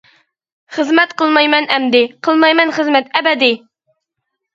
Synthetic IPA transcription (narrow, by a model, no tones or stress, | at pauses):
χəzmɛt̪qəlˠmɑjmɛnɛmd̪ɪqʰəlˠmɑjmɛnχəzmɛt̪ɛbɛd̪ɪ